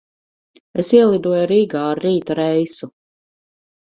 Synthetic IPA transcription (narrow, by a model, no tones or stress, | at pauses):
esiɛlˠid̪uɔjɾiːɡaːɾːiːt̪aɾɛjsu